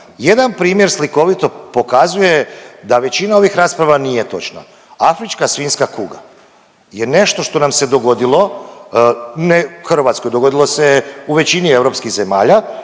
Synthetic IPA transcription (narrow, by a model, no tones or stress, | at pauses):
je̞d̪anpɾiːmje̞ɾsliko̞ʋit̪o̞po̞kazuje̞d̪aʋe̞t͡ɕinao̞ʋixɾaːspɾaʋanije̞t̪o̞̰t͡ʃna̰ | afɾit͡ʃkasʋiːnskakuɡa̰ | je̞ne̞ʃt̪o̞ʃt̪o̞namse̞d̪o̞ɡo̞d̪ilo̞ | nexrɾ̩ʋaːt̪skojd̪oɡo̞d̪ilˠo̞seuʋe̞t͡ɕinie̞vɾo̞pskiɣze̞maːʎa